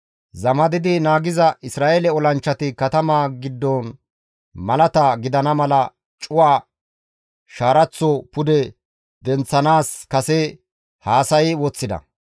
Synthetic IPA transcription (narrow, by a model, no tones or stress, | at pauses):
zɐmɐd̪ɪd̪ɪnaːɡɪzɐɪsɾaːʔelɛɔlɐnt͡ʃːɐt̪ɪkɐt̪ɐmaːɡɪd̪ːɔn | mɐlɐt̪aɡɪd̪ɐnɐmɐlɐ | t͡ʃʼʊwaː | ʃaːɾɐt͡sːɔpʊd̪ɛ | d̪ɛnt͡sːɐnaːskɐsɛ | haːsɐjɪwɔt͡sːɪd̪ɐ̰